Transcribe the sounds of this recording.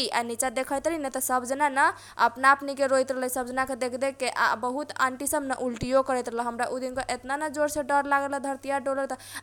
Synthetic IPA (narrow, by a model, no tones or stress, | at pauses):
iʔa̰nit͡ʃad̪ekʰəjt̪linɛt̪ɔsəbʱd͡ʒnanə | ə̰pnaəpnikeɾoit̪ɾəɦlsəbd͡ʒnaked̪ekʰd̪ekːeʔa̰bəɦut̪a̰ɳʈisəbnəʔulʈijokəɾɛt̪ɾələɦəmɾaʔud̪inkeʔet̪nanəd͡ʒoɾseɖəɾlaɡeləd̪ʱəɾt̪ijaɖoləɾt̪